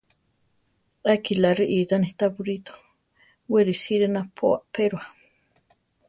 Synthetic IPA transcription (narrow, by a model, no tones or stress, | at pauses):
ʔakilaɾiʔizaniht̪abuɾit̪o̥ | weɾisiɾenapʰoa̰peɾwa